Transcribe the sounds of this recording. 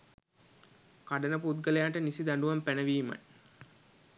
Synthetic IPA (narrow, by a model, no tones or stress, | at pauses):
kaɖənəp̬ut̪̚ɡəlejaːʈənisid̪æɳɖuʋɐmpænəʋiːma̰j